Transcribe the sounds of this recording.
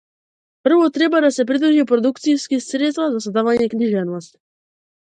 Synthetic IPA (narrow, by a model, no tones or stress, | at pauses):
pr̩vɔt̪ɾɛbad̪asɛpɾid̪uʒipɾɔd̪ukt̪sijskisɾɛt̪st̪vazasɔd̪avaɲɛkniʒɛnɔst̪